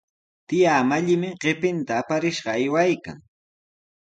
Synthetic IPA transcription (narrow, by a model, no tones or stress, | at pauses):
t̪ɪjaːmaʎɪmɪɢepɪnt̪aːpaɾɪʃɢɑajwajka̰ŋ